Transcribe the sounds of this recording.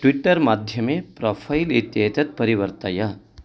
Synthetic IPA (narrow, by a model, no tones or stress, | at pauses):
ʈʋiʈːəɾmad̪ʱjɐmepɾɔfʰajilit̪jɦet̪ɐt̪̚pəɾiʋəɾt̪aja